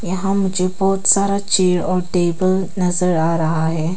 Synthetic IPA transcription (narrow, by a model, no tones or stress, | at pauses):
jɐɦãmʊd͡ʒʱebɔːt̪saːɾat͡ʃeːɾɔːɾʈeːbəl | nɐzəɾaːɾɐɦaɦɛː